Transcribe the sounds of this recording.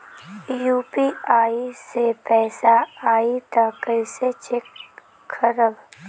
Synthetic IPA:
juːpiːaːisepɛːsaaːit̪akəɪset͡ʃɪkʰː | əɾəb

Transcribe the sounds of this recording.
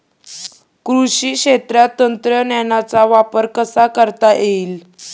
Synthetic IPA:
kɾuɕiːkɕet̪ɾjat̪ːənt̪ɾənjanat͡saʋapəɾkəsakəɾt̪aʔeiːl

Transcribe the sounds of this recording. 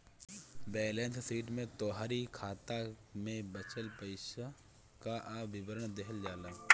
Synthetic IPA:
bɛːlɛ̃ːnt̪siːʈmẽt̪oːɦaːɾikʰaːt̪a | mẽbət͡ʃəlpəɪʃa | kaʔaːbɪbəɾəɳd̪eɦəld͡ʒaːlaː

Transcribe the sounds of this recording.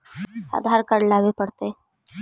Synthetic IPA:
a̰d̪ʱaɾkəɽlaʋepəɽt̪e

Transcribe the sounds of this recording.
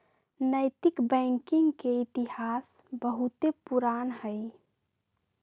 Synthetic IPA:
nəɪt̪ɪkbɛ̃ŋkɪ̃ŋɡkeɪt̪ihaːs | bəɦʊt̪epuɾaːnhəi

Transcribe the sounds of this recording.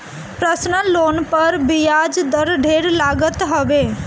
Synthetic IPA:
pɾəsnəloːnpəɾbɪjaːd͡ʒd̪əɾɖʱeːɾlaːɡət̪ɦəʋeː

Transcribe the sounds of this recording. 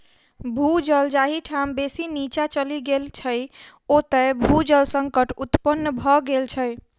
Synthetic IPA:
bʱud͡ʒəld͡ʒaɦiʈʰambesinit͡ʃat͡ʃəliɡelt͡ʃʰəj | ot̪əjbʱud͡ʒəlsəŋkəʈut̪pənːəbʱɔɡelt͡ʃʰəj

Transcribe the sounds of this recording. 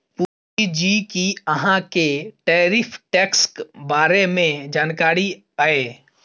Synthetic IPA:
puː | id͡ʒiːkiəɦãkeʈɛːɾɪpʰʈɛːkskbaːɾemẽd͡ʒaːnkaːɾi | aeː

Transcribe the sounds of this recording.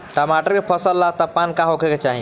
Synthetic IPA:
ʈəmaʈəɾkepʰəsəlːat̪əpːankãɦokʰeket͡ʃaɦḭ

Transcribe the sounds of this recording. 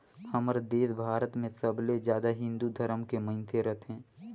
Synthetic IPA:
həməɾd̪eːsbʱaːɾət̪mẽsəbled͡ʒjaːd̪aɦɪ̃nd̪ud̪ʱəɾəmkemə̃nt̪ʰeɾɐt̪ʰɦɛ̃ː

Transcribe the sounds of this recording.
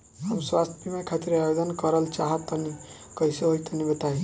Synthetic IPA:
ɦəmswast̪ʰpimekʰat̪iɾajod̪ənkəɾəlt͡ʃaɦət̪ːəni | kəjseɦojt̪ənibət̪aɦi

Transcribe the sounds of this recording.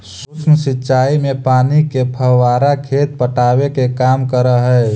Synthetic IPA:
susʰnəsɪtːʃaːimẽpaːnikepʰəɦwaːɾakʰeːt̪̚pəʈaːwekekaːmkəɾəɦɛː

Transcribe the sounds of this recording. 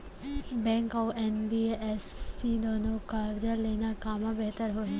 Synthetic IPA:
bɛ̃ːŋkɔːenbiespid̪oːnokaːɾd͡ʑəɾleːnakaːmãbeɦt̪əɾɦoːi

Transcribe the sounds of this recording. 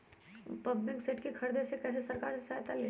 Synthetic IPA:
pɐblɪkseːʈkikʰɐɾd̪esekɛːs̬esɐɾkaːɾsesaːt̪aleː

